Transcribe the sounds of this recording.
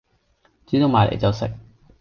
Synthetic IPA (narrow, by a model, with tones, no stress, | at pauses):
t͡siː˨˥t̪o˨˧wmaː˨˩lḛ˨jt͡sɐ˨wsɪ̰˨k̚